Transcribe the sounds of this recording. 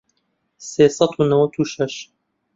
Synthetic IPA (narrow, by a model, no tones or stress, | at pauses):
seːsˤɑt̪ʰuːnɐwɐt̪ʰuːʃɐʃ